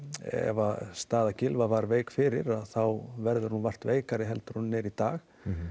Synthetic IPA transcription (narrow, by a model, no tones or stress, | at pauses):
ɛ̰ɛ̰vast̪aːðacɪlvavaɾveːjkfɪɾɪɾaðθawvɛɾðʏɾ̥hunvar̥t̪veːjkaɾɪɦɛlt̪ʏɾhunːɛɾit̪aːx